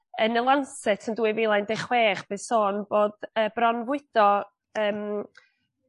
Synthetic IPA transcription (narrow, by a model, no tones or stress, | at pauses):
ənəlˠansɛtʰənduːɨvilˠajndɛχweːχb̥esoːnb̥oːd̥əːb̥rɔnvʊɨd̥ɔ | əːm